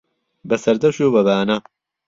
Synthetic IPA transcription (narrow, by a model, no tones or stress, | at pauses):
bɐsɐɾd̪ɐʃuːbɐβaːnɐ